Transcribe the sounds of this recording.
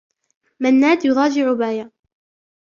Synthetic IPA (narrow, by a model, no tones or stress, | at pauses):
manːaːd̪jʊɣɑːd͡ʒɪʕʊbaːja